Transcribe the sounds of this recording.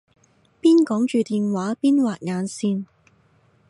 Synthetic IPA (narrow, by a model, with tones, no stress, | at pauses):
piː˥nkɔː˨˥ŋt͡ʃyː˨t̪iː˨nwaː˨˥piː˥nwaː˨t̚ŋaː˨˧nsiː˧n